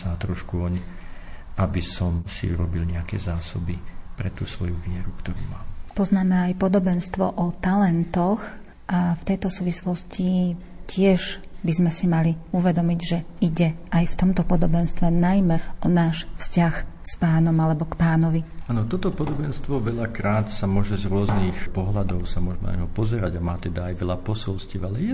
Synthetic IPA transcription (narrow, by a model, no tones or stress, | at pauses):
sat̪ɾɔʃkuɔɲ | ʔabisɔmsḭṵɾɔbilɲɛakɛ̰ːzaːsɔbipɾɛt̪ṵːsʋɔjuʋɪɛɾukt̪ɔɾṵːmaːmpɔznaːmɛajpɔd̪ɔbɛnst̪ʋɔ̰ʔɔt̪alɛnt̪ɔx | ʔaft̪ɛjt̪ɔsuːʋislɔsci | cɪɛʒbizmɛsimaliuʋɛd̪ɔmiɟʒɛiɟɛajft̪ɔmt̪ɔpɔd̪ɔbɛnst̪ʋɛnajmɛɔnaːʃfscaxspaːnɔmalɛbɔkpaːnɔʋiaːnɔt̪ɔt̪ɔpɔd̪ɔbɛnst̪ʋɔʋɛʎakɾaːt̪samʊɔʒɛzɾʊɔzniːxpɔɦlad̪ɔʊsamʊɔʒmɛn̰ɲɦɔpɔzɛɾaɟamaːt̪ɛd̪aːjʋɛlʎapɔsɔlsciːʊalɛjɛ